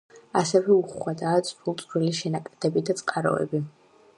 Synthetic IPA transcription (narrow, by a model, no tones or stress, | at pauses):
asɛvɛuχwad̪aːt̪sʼpʰulˠt̪sʼɾiliʃɛnakʼad̪̥ɛbid̪at̪sʼqʼaɾɔ̰ɛ̰bi